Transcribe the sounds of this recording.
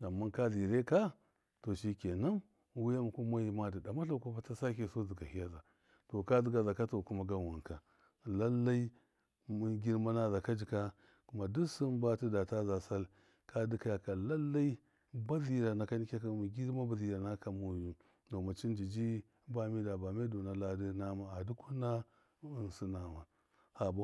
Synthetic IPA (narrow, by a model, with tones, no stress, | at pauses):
a˨mːa˦nka˦zi˨ɾe˦ka˦ | to˨ʃi˦ke˨na˦m | wu˦ja˦m˨ku˦ma˦ji˦ma˦di˨da˨ma˦ɬa˨ku˦ba˦ta˦sa˦ke˨so˦zi˨ɡa˨hi˦ja˦za˨ | to˨ka˦zi˦ɡa˨za˨ka˦to˨ku˦ma˦ɡa˦wu˨n˨ka˨ | la˦lːa˦i˦ | mu˦ɡʲi˦ɾma˦na˦za˨ka˦d͡ʒi˨ka˦ | ku˦ma˨du˦su˦nba˦ti˦da˨ta˦za˨sa˦l | ka˦di˦ka˦ja˨ka˨la˦lːa˦i˦ | ba˦zi˨ɾa˨na˨ka˦ni˦kʲa˦ka˨mi˨ɡi˦ɾma˦ba˨zi˨ɾa˨na˦ka˨mu˨ju˨ | do˨ma˨t͡ʃi˦nd͡ʒi˨d͡ʒi˦ | ba˦mi˦da˨ba˨me˦do˨na˨la˦di˦na˦ma˨a˨di˦ku˦na˦ | nsi˦na˨ma˨ | ha˨ba˨˦